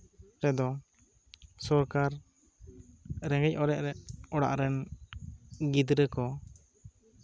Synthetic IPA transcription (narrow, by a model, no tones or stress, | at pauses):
ɾɛd̪ɔ | sɔɾkaɾ | ɾɛ̃ŋɡɛcʔɔɾɛʔɾɛʔɔɽa̰ʔɾɛn | ɡid̪ɾəkɔ